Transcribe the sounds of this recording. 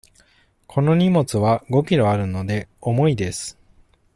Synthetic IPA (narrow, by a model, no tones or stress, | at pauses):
kʰo̞no̞ɲ̟imo̞t͡sɨβaɡo̞kʲiɾo̞aɾɯ̟no̞d̪e̞omo̞id̪e̞sɨ̥